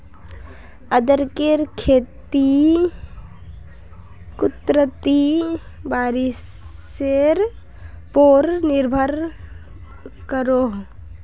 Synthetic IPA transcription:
əd̪əɾkeɾkʰeːt̪i | kʊt̪ɾət̪ibaːɾɪs | eɾ | poɾnɪɾbʱəɾ | kəɾoː

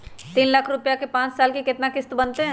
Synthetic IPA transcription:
t̪iːnlɐkʰɾʊpjakepãːt͡ʃsaːlkikɪt̪nakɪst̪bɐnt̪eɦɛ̃ː

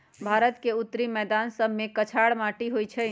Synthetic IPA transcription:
bʱaɾət̪keut̪ːɾimɛd̪ansəbmekət͡ʃʰaɽmaʈiɦojt͡ʃʰə

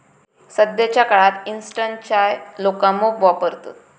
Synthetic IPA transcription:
səd̪jat͡ɕjakaɭat̪insʈənt͡ɕjajlokamoʋapəɾt̪o̰

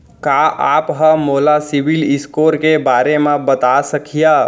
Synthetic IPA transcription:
kaːʔaːpɦəmoːlasɪʋɪlɪskoːɾkebaːɾemãbət̪asəkʰija

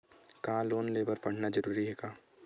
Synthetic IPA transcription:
kɦãloːnleːbəɾpɐɽ̤nad͡ʒɐɾuːɾiɦɛːkaː

